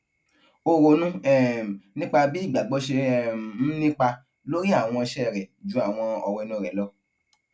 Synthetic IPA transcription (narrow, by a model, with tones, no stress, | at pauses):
o˧ɾo˨nũ˦ɛ˦˨nĩ˦k͡pa˧bi˦i˦˨ɡ͡ba˨ɡ͡bɔ˨˦ʃe˧ɛ˦˨˦nĩ˦k͡pa˧ | lo˦ɾi˦a˦˨w̃ɔ̃˧ʃɛ˦˨ɾɛ˨d͡ʒũ˨˦a˦˨w̃ɔ̃˧ɔ˧wɛ˧nũ˦˨ɾɛ˨˦lɔ˧˦